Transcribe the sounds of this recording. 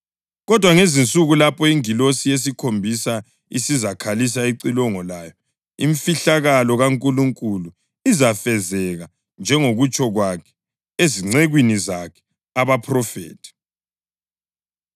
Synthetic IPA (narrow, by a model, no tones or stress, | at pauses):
ɣɔd̥ʱwaŋezint͡sʼuɣulapʰɔiŋilosijes̬ikʰombʱisa | ḭsizakʰalis̬aiǀilɔŋɔlaːjɔ | iɱmfiɬaɣalɔɣaŋkʼuluŋkʼulu | izafɛzɛɣa | nd͡ʒʱɛŋoɣut͡ʃʼɔɣwakʰɛ̥ | eziŋ͡ǀeɣwinizakʰɛ̥ | aβapʰrɔfɛ̰ːtʰi̥